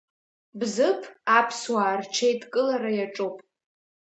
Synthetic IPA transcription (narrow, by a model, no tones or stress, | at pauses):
bzɨpʰapʰswaːrt͡ʃʰejtʼkʼɨlaɾajaʈ͡ʂʼopʼ